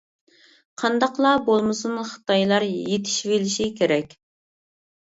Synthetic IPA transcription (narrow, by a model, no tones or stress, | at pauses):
qʰɑnd̪ɑqlˠɑbolˠmɨsunχə̥t̪ɑjlˠɑɾjet̪ʰi̥ʃvelɪʃikʲʰeɾɛkʲ